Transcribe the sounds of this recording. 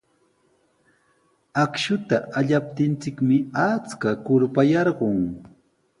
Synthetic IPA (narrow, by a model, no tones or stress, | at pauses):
akʃʊt̪aaʎap̚t̪ɪnt͡sɪkmɪat͡skakʊɾpajɑɾɢoŋ